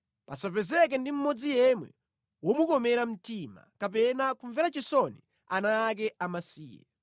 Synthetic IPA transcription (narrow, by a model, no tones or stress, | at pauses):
pasapɛzɛk̬ɛndim̩mɔd͡zijɛmwɛ̰ | wɔmukɔmɛɾam̩tima̰kap̬ɛnakuɱvɛɾat͡ʃisɔni | anaːk̬ɛamasiːjɛ̰